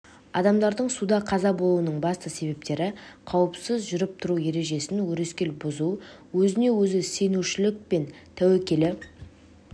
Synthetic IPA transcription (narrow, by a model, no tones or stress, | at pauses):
ɑd̪ɑmd̪ɑɾd̪əɴsud̪ɑqʰɑzɑbo̞lˠuənəɴbɑst̪əse̞be̞p̚t̪e̞ɾɪqʰɑwəpsəzʒʏɾɪp̚t̪ʰʊɾuje̞ɾe̞ʒe̞sɪnwɵɾe̞skʲe̞lbʊzu | wɵzɪne̞wɵzɪse̞nuʃɪlɪk̚pe̞nt̪ʰæwekʲe̞lɪ